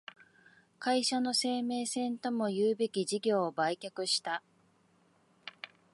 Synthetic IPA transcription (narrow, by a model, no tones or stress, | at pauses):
kaiɕano̞se̞ːme̞ːsẽ̞nt̪o̞mo̞jɯːbe̞kʲiʑiɡʲo̞ːbaikʲakɯ̟ɕi̥t̪a